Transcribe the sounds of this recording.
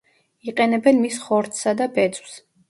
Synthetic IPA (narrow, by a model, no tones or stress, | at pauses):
iqʼɛnɛbɛnmisχɔɾt̪ʰsad̪abɛt̪sʼws